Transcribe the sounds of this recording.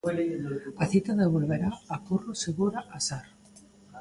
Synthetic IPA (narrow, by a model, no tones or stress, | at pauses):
aθit̪aðeβ̞olβeɾaːkuroseɣuɾaʔasaɾ